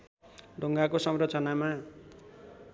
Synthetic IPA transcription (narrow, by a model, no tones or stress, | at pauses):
ɖʱoŋɡakosʌmrʌt͡sʌnama